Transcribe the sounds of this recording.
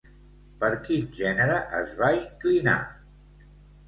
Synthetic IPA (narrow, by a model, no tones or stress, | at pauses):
pəɾkinʒɛnəɾəʔə̰zβaiŋklina̰